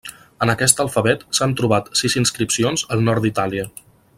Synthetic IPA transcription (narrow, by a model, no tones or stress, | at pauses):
ənəkɛst̪əlˠfəβɛt̪sant̪ɾuβat̪sizinskɾipsionzəlˠnɔɾit̪aliə